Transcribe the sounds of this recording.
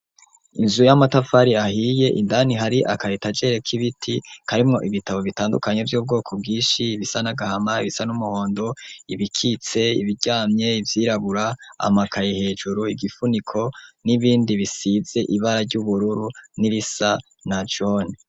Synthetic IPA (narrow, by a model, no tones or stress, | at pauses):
inzujamatafaɾiahije̞ʔindaniɦaɾiʔa̰kajitad͡ʒe̞ɾekʰiβitʰikaɾimŋo̞ʔiβitaβo̞βitaːndukaɲe̞vjuːb̚ɡo̞ːkʰob̚ɡiːʃiβisanaɡahamaiβisanumuho̞ːndo̞iβikʰit͡se̞iβiɟaːmɲe̞ivjiːɾaβuɾaa̰makajehe̞ːd͡ʒuɾuiɡifunikʰo̞niβiːndiβisize̞ʔiβaɾaɾɟuβuɾuɾuniɾisa | nat͡ʃo̞ːne